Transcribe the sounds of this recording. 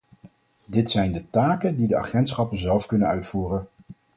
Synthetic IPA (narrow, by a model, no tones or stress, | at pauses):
dɪtsɛjndətaːkəndidəa̰ːχɛntsχɑpənzɛlˠfkɵnənœɥtfuːrən